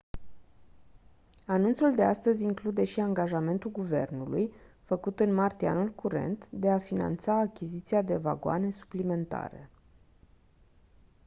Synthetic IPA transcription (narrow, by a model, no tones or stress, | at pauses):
anunt̪suld̪e̞ast̪əzʲiŋklud̪e̞ʃiaŋɡaʒame̞nt̪ulɡuve̞̰rnulṵj | fəkut̪ɨnmart̪ia̰nulkʰuɾe̞̰nt̪d̪e̞afina̰nt̪saːkʲizit̪siad̪e̞va̰ɡoa̰ne̞su̥plime̞nt̪a̰ɾe̞̰